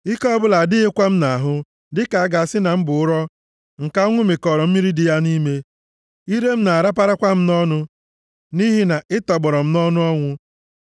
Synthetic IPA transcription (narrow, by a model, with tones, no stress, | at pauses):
ɪ˦kɔ˦bʊ˦la˨dɪ˦ɪ˦kʷa˦m̩˦na˨a˨ɦʊ˦ | dɪ˦ka˨a˦ɡa˨a˨sɪ˦na˨m̩˦bʊ˨ʊ˦ɾɔ˦ | ŋ̩˨ka˦ŋʷʊ˦mɪ˨kɔ˨ɾɔ˨m̩˦mi˦ɾi˦dɪ˦ja˦ni˦me˦ | i˦ɾe˦m̩˦na˨a˨ɾa˦p̬a˦ɾa˦kʷa˦m̩˦nɔ˦nʊ˦ | ni˦ɦi˦na˨ʔɪ˦tɔ˨ɡ͡bɔ˨ɾɔ˨m̩˦nɔ˦nʊ˦ɔ˦ŋʷʊ˦